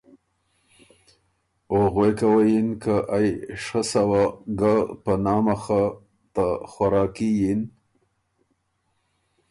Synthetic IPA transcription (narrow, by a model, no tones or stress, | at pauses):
oɣwekawajinkaʔajʂəsawaɡapənɑmaxa | t̪axwaɾɑːkijin